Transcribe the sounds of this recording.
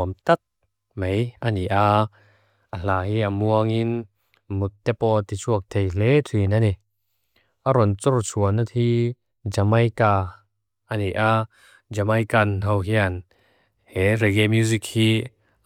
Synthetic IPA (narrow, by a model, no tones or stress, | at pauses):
mt̪at̚ | mejaniʔa | ʔal̥aːhiamuɐŋin | mut̪ːɛpɔt̪it͡ʃʰuɐk̚t̪ʰejlɛtʰinani | ʔaɾɔnt͡sɔrt͡sʰuɐnatʰhi | d͡ʒamajka | ʔaniʔa | d͡ʒamajkanowɦian | hɛɾɛɡɛmjuzikhi